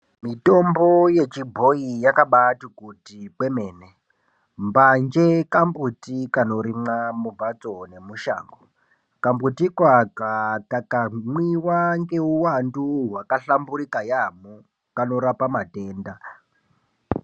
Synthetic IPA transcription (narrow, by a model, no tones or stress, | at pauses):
mito̞mbo̞je̞t͡ʃibʱo̞ijakaɓatukutipwe̞me̞ːne | mband͡ʒe̞kambutikano̞ɾimamubat͡so̞ne̞muʃa̰ːŋɡo | kambutikwakakakamwiwaŋɡe̞uwanduɦwakaɬamburikajamu | kano̞ɾapamate̞ːnda